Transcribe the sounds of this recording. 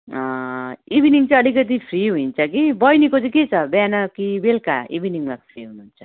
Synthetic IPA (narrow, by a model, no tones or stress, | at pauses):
ʌibiniŋt͡sʌj̃ʌlikʌt̪̬ipʰriɦuint͡sʰʌkibʌjnikot͡sʌ̃ket͡sʰʌbjanʌkibelka̰ḭbiniŋmapʰriɦunuːnt͡sʰʌ